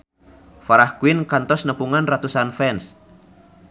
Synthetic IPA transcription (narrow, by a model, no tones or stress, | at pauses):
faɾahkuinkant̪ɔsnəpuŋanrat̪usanfɛns